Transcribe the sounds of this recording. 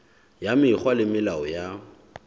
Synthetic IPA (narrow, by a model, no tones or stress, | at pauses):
jamɪχwalɪmɪlaɔja